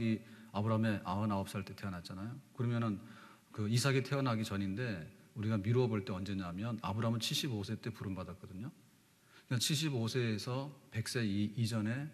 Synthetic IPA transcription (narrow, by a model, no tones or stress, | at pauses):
ɡiabɯɾaɦame̞ʔa̰ʌnaʌp̚s͈ʌɭt͈e̞tʰe̞ʌnɦat͡ɕ͈anajokɯɾʌmjʌnɯn | kɯisʰaɡitʰeʌnɦaɡit͡ɕʌninde̞uɾiɡamiɾoʌboɭt͈e̞ʌnd͡ʑe̞ɲamjʌna̰bɯɾamɯnt͡ɕʰiɭɕ͈ibosʰe̞t͈e̞puɾɯmbadat̚k͈ʌdɯɲo | kat͡ɕʰiɭɕ̬͈ibosʰe̞ːsʰʌpe̞k̚s͈e̞id͡ʑʌne̞